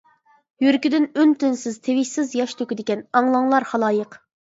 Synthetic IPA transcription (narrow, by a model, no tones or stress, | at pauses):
jyɾkʲid̪ɪnynt̪ynsɪz̥t̪ʰevɪʃsɪzjɑʃt̪ʰøkʲid̪ɪkʲɛnɑŋlˠɑŋlˠɑɾχɑlˠɑːjəq